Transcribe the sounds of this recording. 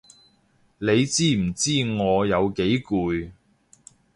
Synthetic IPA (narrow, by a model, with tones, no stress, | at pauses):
le˨˧jt͡siː˥m̩˨˩t͡siː˥˩ŋɔː˨˧jɐ˨˧wke˨˥jkuː˨˧j